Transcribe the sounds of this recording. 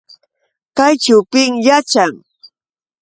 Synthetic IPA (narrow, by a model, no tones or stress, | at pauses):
kajt͡ʃawpɪŋjat͡ʃaŋ